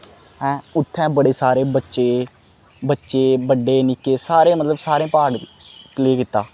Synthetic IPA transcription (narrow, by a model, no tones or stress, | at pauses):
ɛ̃ːʊt̪ʰːɛ̃ːbəɽeːsaːɾeːbətːʃeː | bətːʃeːbəɖːeːnɪkeːsaːɾeːmət̪ləbsaːɾẽːpaːɽ | pleːkɪt̪ːaː